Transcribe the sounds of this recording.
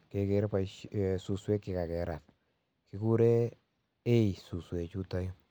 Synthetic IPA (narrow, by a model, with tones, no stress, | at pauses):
ke˨ke˦ɾpa˦su˨swe˦kːi˨ka˨kɛ˨ɾa˨t̚ | ki˦ku˦ɾe˦ | e˦i˨su˨swe˨t͡ʃu˦tɔ˦jo˦